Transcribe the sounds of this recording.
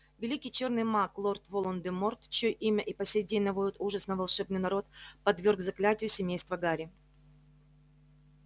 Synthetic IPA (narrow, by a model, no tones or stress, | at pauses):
vʲɪlʲikʲɪjt͡ɕo̞rnɨjmaklˠo̞rt̪volˠond̪ɨmort̪t͡ɕjojʔimʲəʔipɐsʲejd̪ʲenʲnɐvodʲɪt̪uʐəsnəvɐlˠʂɛbnɨjnɐɾo̞t̪̚pɐd̪vʲe̞rɡzɐklʲætʲɪjʊsʲɪmʲejst̪vəɡaɾʲɪ